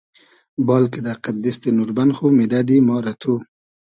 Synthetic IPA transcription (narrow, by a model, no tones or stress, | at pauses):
bɑlked̪aqat̪̚d̪ist̪enuɾbanxumed̪ad̪imɑɾat̪ʰu